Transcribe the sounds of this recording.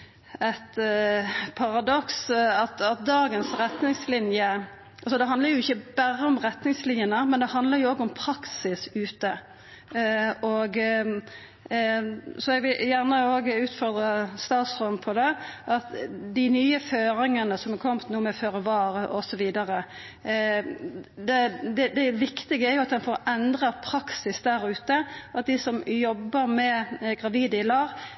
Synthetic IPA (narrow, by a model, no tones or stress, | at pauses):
æt̪ | pʰɑʁɑd̪ɔksɑt̪ɑt̪̚d̪ɑːɡənsɾɛt̪nɪŋslɪnjə | ʔɑlsɔd̪ɛɦɑnd̪ləɾjʊɪçːəbæʁəɔmʁɛt̪nɪŋslɪnjənəmɛnd̪ɛhɑnd̪ləɾjʊoːɡɔmpʰɾɑksɪsʉːt̪ə | ɔɡ | sɔɛɡʋɪljæʁnəoːɡʉːt̪fɔʁd̪ʁɑst̪ɑːt̪sʁɔmpʰɔd̪ɛʔɑt̪d̪ɪnyːəføːɾɪŋənəsɔmɛkʰɔmt̪nuːmɛføːɾəʋɑːɾəʔɔsɔʋiːd̪ɑʁə | d̪ɛd̪ɛd̪ɛʋɪkt̪ɪɡəæɾjʊɑt̪̚d̪ɛnfoːɾɛnd̪ʁɑpʰɾɑksɪsd̪æɾʉːt̪əʔɑt̪̚d̪isɔmjɔbːəɾmɛɡʁɑʋiːd̪əɪlɑːʋ